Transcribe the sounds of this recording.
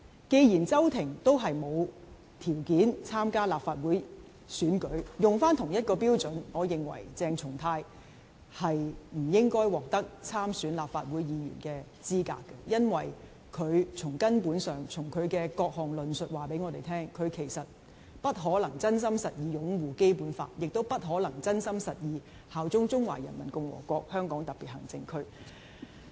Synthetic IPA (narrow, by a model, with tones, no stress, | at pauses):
ke˧jjiː˨˩nt͡sɐ˥wt̪ʰɪ˨˩ŋt̪o˥wɦɐ˨jmo˨˧w | t̪ʰiː˨˩wkiː˨˥nt͡sʰaː˥mkaː˥laː˨p̚faː˨˧t̚wuː˨˥j | syː˨˥nkɵ˨˥ɥjʊ˨ŋfaː˥nt̪ʰʊ˨˩ŋjɐ˥t̚kɔː˧piː˥wt͡sɵ˨˥nŋɔː˨˧jɪ˨ŋwɐ̰˨˩jt͡sɛː˧ŋt͡sʰʊ˨˩ŋt̪ʰaː˧j | hɐ˨jm̩˨˩jɪ˥ŋkɔː˥jwɔː˨k̚t̪ɐ˥k̚t͡sʰaː˥msyː˨˥nlaː˨˩p̚faː˨t̚wuː˨˥jjiː˨˧jy̰ː˨˩nkɛː˧ | t͡siː˥ka̰ː˧kːɛ˧jɐ˥nwɐ˨˩j | kʰɵ˨˧ɥt͡sʰʊ˨˩ŋkɐ˥npuː˨˥nsœː˨ŋt͡sʰʊ˨˩ŋkʰɵ˨˧ɥkɛː˧kɔː˧k̚hɔː˨ŋlɵ˨nsɵ˨t̚waː˨˩pe˨˥jŋɔː˨˧t̪e˨jt̪ʰɛː˥ŋkʰɵ˨˧ɥkʰe˨˩jsɐ˨t̚ | pɐ˥t̚ɦɔː˨˥lɐ˨˩ŋt͡sɐ˥nsɐ˥msɐ˨t̚jiː˨˧jʊ˨˥ŋwuː˨ke˥jpuː˨˥nfa̰ː˧t̚jɪ˨k̚t̪o˥wpɐ˥t̚ɦɔː˨˥lɐ˨˩ŋt͡sɐ˥nsɐ˥msɐ˨t̚jiː˨˧ | haː˨wt͡sʊ˥ŋt͡sʊ˥ŋwa̰ː˨˩jɐ˨˩nmɐ˨˩nkʊ˧ŋwɔ̰ː˨˩kʷɔː˧k̚hœː˥ŋkɔː˨˥ŋt̪ɐ˨p̚pi˨t̚hɐ˨˩ŋt͡sɪ˧ŋkʰɵ˥ɥ